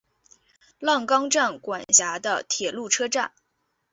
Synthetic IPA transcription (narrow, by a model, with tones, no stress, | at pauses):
lɑ˥˩ŋkɑ˥ŋʈ͡ʂa˥˩nkwa˨˩nnɕja˧˥d̪ə̰˧t̪ʰjɛ˨˩lu˥˩ʈ͡ʂʰɤ˥ʈ͡ʂa˥˩n